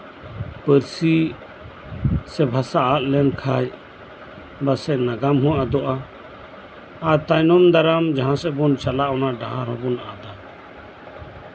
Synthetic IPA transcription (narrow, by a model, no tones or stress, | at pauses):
pəɾsi | sɛbʱasaʔːʔlɛnkʰaj | basɛʔnaɡamɦɔ̃ad̪ɔʔa | ɾt̪ajnɔmd̪aɾamd͡ʒaɦãsɛbɔnt͡ʃalaʔɔnaɖaɦaɾhɔbɔna̰d̪a